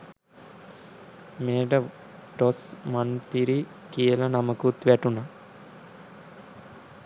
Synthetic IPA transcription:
meːɖə | ʈosmant̪iɾi | kijəlanaməkut̪ʋæʈuna

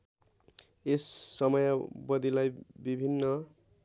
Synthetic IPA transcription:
esːʌmʌjabʌd̪ilajbibʱinːʌ

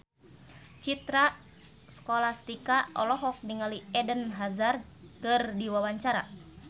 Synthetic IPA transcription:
t͡ʃit̪ɾa | skɔlast̪ikaʔɔ̰lɔɦɔk̚niŋaliɛdənɦazarkɨrdiwawaɲt͡ʃaɾa̰

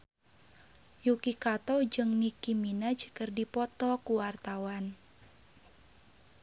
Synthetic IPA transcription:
jukikat̪ɔd͡ʒɨŋnikiminad͡ʒkərdipɔt̪ɔkuwart̪awan

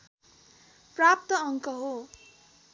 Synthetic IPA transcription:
prap̚t̪ʌʌŋkʌɦo

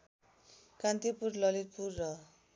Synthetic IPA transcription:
kant̪ipurlʌlit̪̚purːʌ

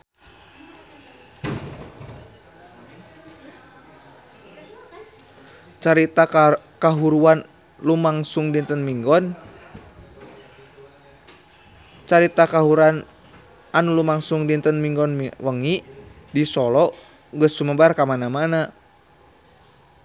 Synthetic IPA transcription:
t͡ʃaɾit̪akkaɦuɾuan | lumaŋsuŋdint̪ənmiŋɡɔn | t͡ʃaɾit̪akaɦuɾan | anulumaŋsuŋdint̪ənmiŋɡɔnmwəŋi | disɔlɔ | ɡəsːuməbarkamanamana

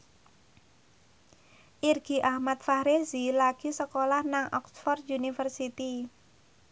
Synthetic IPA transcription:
ʔirɡ̥i̤ʔahmat̪̚fahɾezilaɡ̥isəkolahnaŋʔɔksfɔrd̪unifərsit̪i

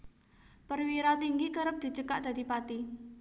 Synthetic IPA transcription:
pərwiɾat̪iŋɡikəɾəp̚d̪̥i̤t͡ʃəkaʔd̪̥ä̤d̪̥i̤pat̪i

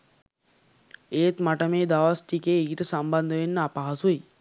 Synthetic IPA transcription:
eːt̪maʈəmeːd̪aʋasʈikeːɡiʈəsamband̪əʋenːəapaɦasui

